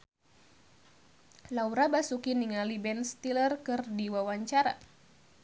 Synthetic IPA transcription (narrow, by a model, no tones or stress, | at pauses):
lauɾabasukiniŋalibɛnst̪ilərkɨrdiwawaɲt͡ʃaɾa